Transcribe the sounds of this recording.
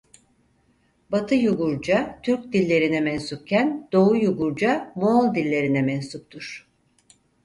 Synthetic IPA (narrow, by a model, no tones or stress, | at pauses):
bat̪ʰɯjuɡuɾd͡ʒat̪ʰyɾc̚d̪ilʲːe̞ɾinɛmɛnsuk̚cʰænd̪̥o̞ujuɡuɾd͡ʒamoːlˠd̪ilʲːe̞ɾinɛmɛnsuk̚t̪ʰuɾ̥